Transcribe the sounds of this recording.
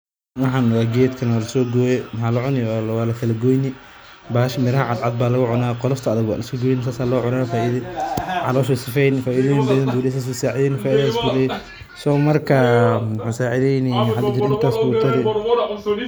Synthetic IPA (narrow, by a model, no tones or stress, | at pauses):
wɑħɑːnːɔɣaːɡɛːd̪kʰɐnwaːlɐsɔːɡɔːjɛmħɑːlɐʕʊnɪjwwaːlɐkʰɐlɐɡɔjnɪ | baːhɐʃmɪɾɐhɐʕɑd̪ʕɑd̪̚baːlɐɣʊʕʊnaːqɔlɐft̪ʰɐɐðɐɡwa̰ːlɐsɔɡɔjnɪs̬aːsaːlɔːʕʊnaːfaːʔiðɐʕɑlɔːʃɛsɪfɛjnfaːʔiðɐjɪnbɐðɐnbuːlɛs̬aːs̬usaːʕɪðɛːnfaːɪðɐasbulɛ | sɔːmɐrkʰɐħasaːʕɪðɛjniħɐd̪ɐd͡ʒɪɾɪnt̪ʰaːsbuːt̪ʰɐɾɪ